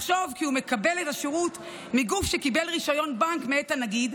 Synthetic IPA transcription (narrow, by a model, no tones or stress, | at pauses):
χʃo̞vkiume̞kabe̞letaʃeʁut | miɡufʃekibelʁiʃajo̞nbankmeetanaɡid